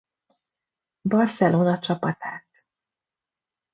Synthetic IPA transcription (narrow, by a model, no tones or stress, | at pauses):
bɒrsɛloːnɒt͡ʃɒpɒt̪aːt̪